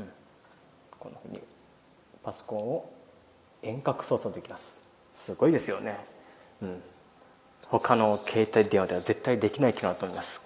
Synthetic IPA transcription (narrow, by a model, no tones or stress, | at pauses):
ɯ̟̃ɴ | kõ̞̰nːoɸɯ̟ːɲ̟ḭ | paso̥kõ̞ɰ̃o | ẽ̞ŋkakɯ̟̥so̞ːsoːd̪e̞kʲimasɨ̥ | sɨɡo̞id̪e̞sɨjo̞ne̞ | ɯ̟̃ɴ | ho̞kano̞kʰe̞ːt̪aid̪eɰ̃ad̪e̞aze̞t̪ːaid̪e̞kʲinaikʲinoat̪omoimasɨ̥